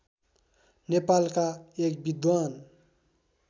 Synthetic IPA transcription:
nepalkaek̚bid̪wan

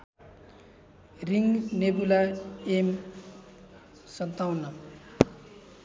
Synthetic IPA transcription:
riŋnebulaem | sʌnt̪awnʌ

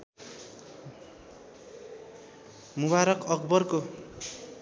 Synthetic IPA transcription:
muβaɾʌkʌkbʌrko

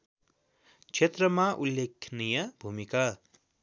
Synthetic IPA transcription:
t͡ʃʰet̪rʌmaʔulːekʰnijʌbʱumika

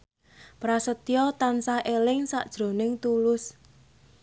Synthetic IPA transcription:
pɾasət̪ijɔt̪ansaʔelɪŋsa̰ʔd̥ʒ̥ɾo̤nɪŋt̪ulʊs

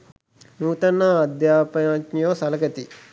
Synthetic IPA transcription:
nuːt̪ɐnːaːɐd̪jaːpɐaːt͡ʃnjoːsɐlɐɡɐt̪i

